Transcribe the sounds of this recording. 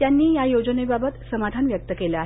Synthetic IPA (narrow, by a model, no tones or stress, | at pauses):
janːiːjajod͡ʑənebabət̪səmad̪ʱanʋjək̚t̪əkelaaɦ